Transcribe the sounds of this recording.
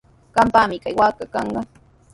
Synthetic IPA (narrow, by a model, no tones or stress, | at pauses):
ɢɑmpamɪkajwaːkakɑɴɢɑ